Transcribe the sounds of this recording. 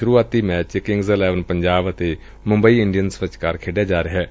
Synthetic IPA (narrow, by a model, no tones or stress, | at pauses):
ʃʊɾuːaːt̪iːmɛːt͡ʃkɪ̃ŋɡzəlɛːʋənpəɲd͡ʒaːbət̪eː | mʊ̃mbəiːɪɳɖijənsʋɪt͡ʃkəɾkʰeːɖjaːd͡ʒaːɾeɦɛː